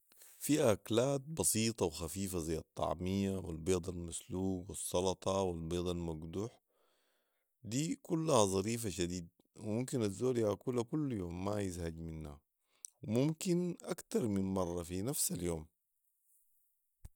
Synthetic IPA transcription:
fiːʔaklaːt̪̚bɑsiːt̪ˤɑwxafiːfazajːɑt̪ˤːɑ̰ʕmijːawḭlbeːd̪ˤɑlmasluːɡwɪsˤːɑlɑt̪ˤɑwilbeːd̪ˤɑlmaɡd̪uːħ | d̪iːkulːahazˤɑɾiːf̬aʃad̪iːd̪̚ | wimumkinazːoːlijakuːlakulːjoːmːajizhaɟminːa̰ | wimumkinʔakt̪ɑɾˤminmɑrˤːɑfinafsaljoːm

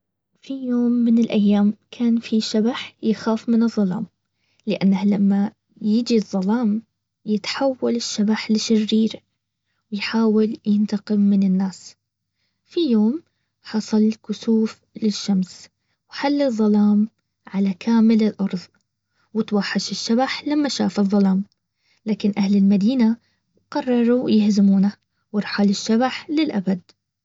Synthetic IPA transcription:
fijoːmːɪnɪlʔajːaːmkʰaːnfiʃabaħjɪxaːfmɪnɨðˤːɑlɑ̰ːm | lɪʔanːahlamːa | jɪd͡ʒiðˤːɑlɑːm | jɪt̪ħawːalɪʃːabaħlɪʃɪrːiːɾ | wɪjħaːwɪljɪnt̪ɑqɪmmɪnɪnːaːs | fijoːm | ħɑsˤɑlkʊsuːf | lɪʃːams | wħalːɪðˤːɑlɑːm | ʕalakʰaːmɪlɪlʔɑɾˤðˤ | wɪt̪waħːaʃɪʃːabaħlamːaʃa̰ːfɨðˤːɑlɑːm | laːkɪnʔahlɪlmad̪iːna | qɑrˤːɑɾˤujɪhzɪmuːna | wɪɾˤħalɪʃːabaħlɪlʔabad̪̚

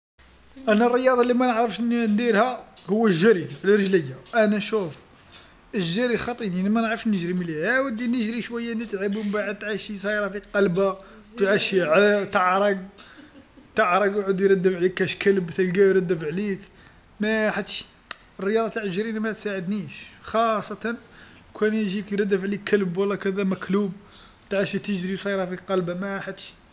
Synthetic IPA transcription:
ʔænːærˤːəjɑd̪ˤɑlimænəʕɾəfʃʔənind̪iɾhæ | hʊwːəʒæɾiʕləɾˤʒləjːaʔænæʃuf | əʒːæɾixɑt̪ˤininimænəʕɾˤəʃnəʒɾimliʕæwəd̪inəʒɾiʃwæjːænːit̪ʕəbumbaʕəd̪̚t̪ʕaʃis̬ɑjɾˤɑfiqɑlba | t̪ʕaʃiʕət̪ɑʕɾˤɑɡ̚ | t̪ɑʕɾˤɑɡwʕd̪jɾɑd̪ːəfʕlikːæʃkəlbt̪ælɡæjɾˤɑd̪ːəfʕlik | mæħat̪ːʃi̥ | ərːəjɑd̪ˤɑt̪aʕʒɾinamæt̪saʕəd̪niʃxɑsˤːɑt̪ɑn | kʰænʒikjɾˤɑd̪ːæfʕlikʰːəlbwəlːækæd̪æmæklub | t̪ʕaʃit̪əʒɾisˤɑjɾˤɑfiqɑlbamæħat̪ːʃ

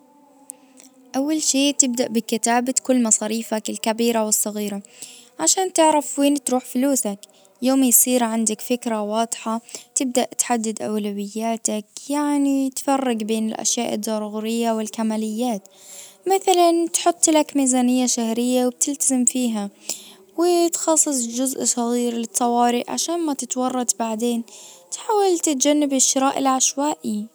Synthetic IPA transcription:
ʔawːalʃeːʔt̪ɪb̚d̪aʔbɪkɪt̪aːbakʊlːmɑsˤɑːɾiːfakɪlkabiːɾawɪsˤːɑɣiːɾaʕaʃaːnt̪ɪʕɾɑfweːnt̪ɾuːħfʊluːsak | joːmjsˤiːɾʕand̪akfɪkɾawɑːd̪ˤħɑt̪ɪb̚d̪aʔt̪ħad̪ːɪd̪ʔawlawɪjːaːt̪akjaʕnit̪fɑrˤːɑɡbeːnɪlʔa̰ʃjaːʔɪ̰d̪ˤːɑɾˤuɣuɾɪjːawɪlkamaːlɪjːaːt̪maθalant̪ħʊt̪ˤːlakmiːzaːnɪjːaʃahɾɪjːawɪb̚t̪ɪlt̪azɪmfiːɦa | wɪt̪xɑsˤːɨsˤd͡ʒʊzʔsˤɑɣiːɾlɪt̪ˤːɑwɑːɾɪʔʕa̰ʃaːnmat̪ɪt̪wɑrˤːɑd̪baʕd̪eːnt̪ħaːwalt̪ɪt̪̚d͡ʒanːɪbɪʃːɪɾaːʔɪlʕaʃwaːʔi

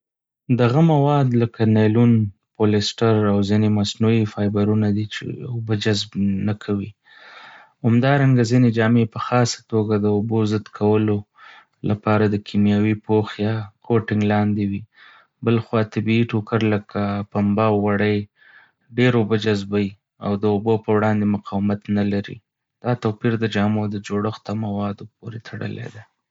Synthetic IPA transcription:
d̪aɣamawɑd̪ləkanajlunpolɪsʈaɾawzinemasnuifɑjbaɾunad̪it͡ʃḛobəd͡ʒazbnakʰawi | hamd̪ɑɾaŋɡazined͡ʒɑmepəxɑsḁt̪oɡad̪əobozəd̪kʰawəlo | lʔapɑɾad̪əkʰimjɑwipoxjɑkʰoʈɪŋɡlɑnd̪ewi | bəlxwɑt̪abiiʈokaɾləkʰapambawːaɽəj | ɖeɾobod͡ʒazbaji | a̰wd̪əobopəwɽɑnd̪emʊqɑwɪmat̪nalaɾḭ | d̪̥ɑt̪apiɾd̪əd͡ʒɑmod̪əd͡ʒoɽəxt̪amawɑd̪op̚oɾet̪ʰaɽə̰lḛd̪a

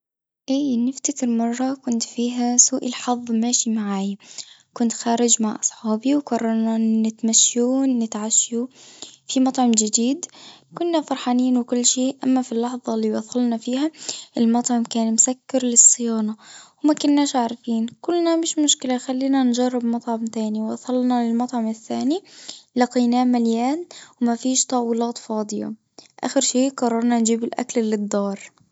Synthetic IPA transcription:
ʔiːnːɪft̪akɪɾmɑrˤːɑkʊnt̪fiːɦasuːʔɪlħɑðˤːmaːʃimaʕaːja | kʊnt̪xaːɾɪd͡ʒmaʕʔɑ̰sˤħɑːbiwkɑrˤːɑɾˤnanɪt̪maʃːunːɪt̪ʕaʃjufimɑt̪ˤʕɑmd͡ʒɪd̪iːd̪kʊnːafɑɾˤħɑːniːnwɪkʊlːʃeːʔamːafilːɑħðˤɑlːiːbɑd̪xʊlnafiːhaʔɪlmɑt̪ˤʕɑmkaːnmʊsakːɪɾlɪsˤːɨjɑːnɑwmakʊnːaːʃʕaʕɾˤɑfiːnkʊlːnamɪʃmʊʃkɪlaxalːiːnand͡ʒɑrˤːɪbmɑt̪ˤʕɑmt̪aːniwʔɑ̰ðɑlnɑlɪlmɑt̪ˤʕɑmɪθːaːnilɑqiːnaːmaljaːnwɪmafiːʃt̪ˤɑwɪlɑːt̪ˤfɑːd̪ˤɨjɑ̰ | ʔa̰ːxɪɾʃeːʔqɑrˤːɑɾˤnɑnd͡ʒiːbɪlʔa̰kllɪd̪ˤːɑːɾˤ

